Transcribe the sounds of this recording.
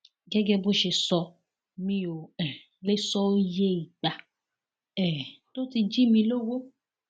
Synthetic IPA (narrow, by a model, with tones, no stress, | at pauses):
ɡɛ˦ɡɛ˦bo˦ʃe˧sɔ˧ | mĩ˦o˨ɛ˨ | le˦sɔ˦o˦je˦˨i˨ɡ͡ba˨ | ɛ˨to˦ti˧d͡ʒi˦mĩ˧lo˦wo˦